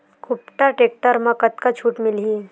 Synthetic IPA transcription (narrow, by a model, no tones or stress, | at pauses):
kʊp̚ʈaʈeːk̚ʈəɾmãkət̪kat͡ʃʰuːʈmɪlɦiː